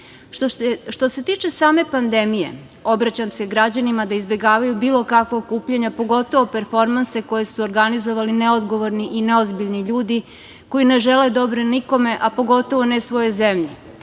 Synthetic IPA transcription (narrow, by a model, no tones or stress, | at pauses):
ʃt̪o̞se̞t̪iːt͡ʃe̞saːme̞pand̪e̞mije̞̰ | o̞bɾat͡ɕamse̞ɡɾad͡ʑanimad̪aizbe̞ɡaːʋajubiːlˠo̞kakʋokuːpʎeɲapo̞ɡo̞t̪o̞ʋo̞peɾfo̞ɾmanse̞ko̞je̞suoɾɡanizoʋalineod̪ɡo̞ʋoɾniʔineozbiʎniʎuːd̪i | ko̞jine̞ʒele̞d̪o̞bɾeniko̞me̞ʔapo̞ɡo̞t̪o̞ʋo̞nesʋo̞jezemʎe